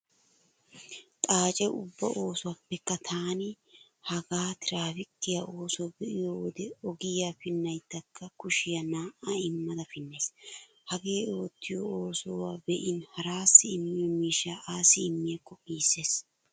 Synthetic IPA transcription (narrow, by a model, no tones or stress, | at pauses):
t̪ʼaːt͡ʃʼɛʔʊ̰bːɐ̰ʔo̞ːsʊwapːɛkːɐt̪ʰaːnɪ | hɐɡaːt̪ɪɾaːfɪkːɪjaʔo̞ːsobɛʔɪjowɔd̪ɛɔɡɪjaːfɪnːɐjt̪ːɐkʰːɐkʊʃɪjɐnaːʔaɪmːɐd̪ɐfɪnːe̞ːs | hɐɡe̞ːo̞ːt̪ːɪjɔoːsowaːbɛʔɪnhɐɾaːsːɪɪmːɪjɔmiːʃːaːʔaːsːɪːmːɪjɛkːɔʔiːsːe̞ːs